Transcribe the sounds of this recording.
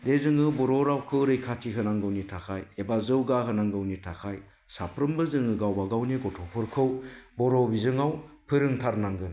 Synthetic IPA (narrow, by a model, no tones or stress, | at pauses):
dezɯŋɯbɔɾɔɾawkʰɯɾɯjkʰatʰiɦɯnaŋɡɯwnitʰakʰajebazɯwɡaɦɯnaŋɡɯwnitʰakʰaj | sapʰɾɯmbɯzɯŋɯɡawbaɡawniɡɔtʰɔpʰɯɾkʰɯwbɔɾɔbizɯŋawpʰɯɾɯŋtʰaɾnaŋɡɯn